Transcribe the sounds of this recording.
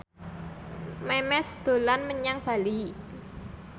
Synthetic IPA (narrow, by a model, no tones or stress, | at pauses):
mɛmɛsd̪̥o̤lanməɲaŋb̥a̤li